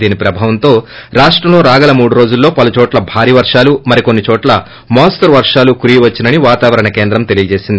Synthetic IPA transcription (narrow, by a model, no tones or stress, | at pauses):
d̪iːnipɾɐbʱaːʋɐnt̪o̞ːɾaːʂʈɾɐmlo̞ːɾaːɡɐlɐmuːɽuɾo̞ːd͡ʒulːo̞ːpɐlut͡ʃɔːʈlɐbʱaːɾiːʋɐɾʂaːlumɐɾiko̞nːit͡ʃɔːʈlɐ | mɔːsʈɐɾʋɐɾʂaːlukuɾijuʋɐt͡ʃːinɐniʋaːt̪aːʋɐɾɐɳɐke̞ːnd̪ɾɐmt̪elijɐd͡ʒe̞ːsind̪i